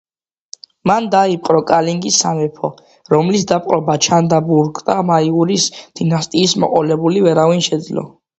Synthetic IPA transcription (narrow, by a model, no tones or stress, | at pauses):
mand̪aip̚ʼqʼɾɔkʼaliŋɡisːamɛpʰɔ | ɾɔmlisd̪apʼqʼɾɔbat͡ʃʰand̪abuɾkʼd̪amaiuɾisd̪̥inast̪ʼiːsmɔ̰qʼɔlɛbulivɛɾavinʃɛd̪zlɔ̰